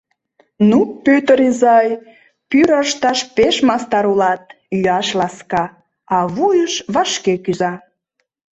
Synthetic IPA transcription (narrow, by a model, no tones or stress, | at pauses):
nupøt̪əɾizɑj | pyɾəʃt̪ɑʃpeʃmɑst̪ɑɾulɑt̪̚ | yɑʃlɑskɑ | ɑβujəʃβɑʃkekyzɑ